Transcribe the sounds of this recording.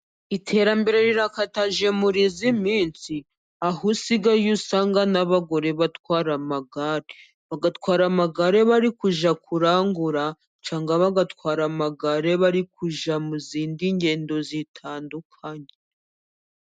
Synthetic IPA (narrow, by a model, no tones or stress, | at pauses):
itʰe̞ɾambe̞ɾe̞ɾiɾakataʒe̞muɾizimiːnt͡si | aɦusiɡajusaːŋɡanaβaɡo̞ɾe̞βatwaːɾamaɡaɾe | βaɡatwaːɾamaɡaɾe̞βaɾikuʒakuɾaːŋɡuɾa | t͡ʃaːŋɡaβaɡatwaːɾamaɡaɾeβaɾikʰuʒamuziːndiɲɟe̞ːndo̞zitʰaːndukʰaɲe